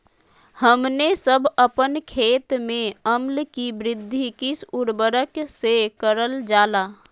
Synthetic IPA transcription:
həmnesəbʱəpənkʰeːt̪mẽəmlkibɾɪd̪ʱːikisuɾbəɾəksekəɾəld͡ʒaːla

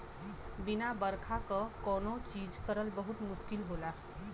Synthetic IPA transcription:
binabəɾkʰakəkɔnot͡ʃid͡ʒkəɾəlbəɦut̪mʊskilɦola

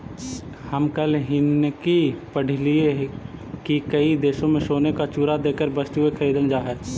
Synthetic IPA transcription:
hɐmkɐlɦɪnkipəɽ̤lie | kikɐid̪eːʃõmẽʃoːnekat͡ʃuːɾad̪eːkəɾbəst̪ɦʊekʰɐɾiːd̪ənd͡ʒaːɦɛː

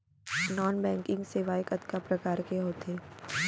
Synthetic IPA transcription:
nɔːnbɛ̃ːŋkɪ̃ŋɡseʋaːjɪkɐt̪kapɾɐkaːɾkeɦoːt̪ʰeː

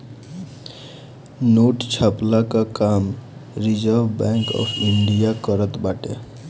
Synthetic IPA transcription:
noʈt͡ʃʰaplakakamɾid͡ʒəɾbbɛ̃ŋkɔ̰pʰiɳɖijakəɾət̪baʈḛ

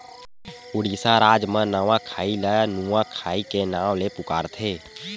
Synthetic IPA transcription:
ʊɽiːsaɾaːd͡ʒmə̃nəʋãkʰaːilanuãkʰaːikenaːwlepʊka̰ːɾt̪ʰeː

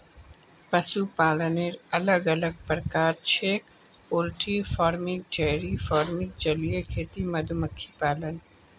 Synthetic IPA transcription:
pəsupaːləneɾɐləɡɐləɡ̚pəɾkaːɾt͡ʃʰeːk | oːlʈʰifaːɾmɪk̚d͡ʒɛɦɾifɔːɾmɪk̚d͡ʒəlijekʰeːt̪imɐd̪ʱuməkʰːipaːlən

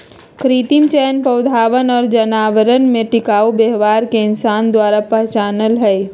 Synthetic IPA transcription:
kʰɾiːt̪imt͡ʃɛːnpɐwd̪ʱaːʋənɔːɾd͡ʒənaːʋəɾənmẽʈɪkaːubeɦʋaːɾkeɪnsaːnd̪waːɾapɛɦt͡ʃaːnəlɦɛː

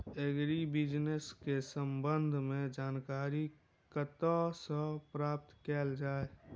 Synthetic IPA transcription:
eɡɾibɪd͡ʒneskesəmbə̃nd̪ʱmẽd͡ʒaːnkaːɾi | kət̪asə̃pɾaːp̚t̪kɛːld͡ʒaːe

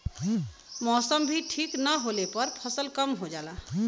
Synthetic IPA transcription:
mɔsəmbʱiʈʰiknəɦolepəɾpʰəsəlkəmɦod͡ʒala

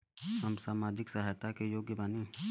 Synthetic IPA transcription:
səmsaːmaːd͡ʒɪksəɦajt̪akejoːɡjəbaːne

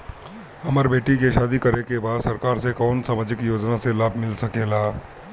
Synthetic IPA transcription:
ɐməɾbeːʈikeʃaːd̪ikɐɾekebaːd̪sɐɾkaːɾsekɔːnsaːmaːd͡ʒɪkjoːd͡ʒnaselaːbʱmɪlsɐkeːlaː

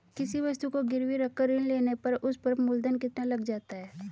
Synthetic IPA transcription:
kɪsiʋɐst̪ukoɡɪɾwiɾɐkːəɾɪnleːnepɐɾʊspɐɾmʊld̪ənkɪt̪nalɐɡd͡ʒaːt̪aɦɛː

